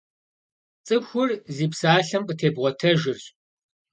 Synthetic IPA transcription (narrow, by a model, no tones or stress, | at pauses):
t͡sʼɨpxʷʊrziːpsaːɬɐmqʼətʰeːbʁʷɔtʰɐʒɪrɕ